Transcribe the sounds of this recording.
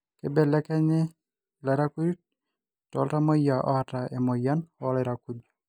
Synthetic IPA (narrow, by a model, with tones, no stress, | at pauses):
ke˦bɛ˦lɛ˦kɛ˦nɪ˦ | lɛ˨ɾa˦ku˦ɾi˦t̚ | tɔ̰˦lta˦mɔ˦ja˨ʔɔ̰˦a˨ta˨ɛ˨mo˨ja˦n˦ɔ˦lɪ˦ɾaku˦d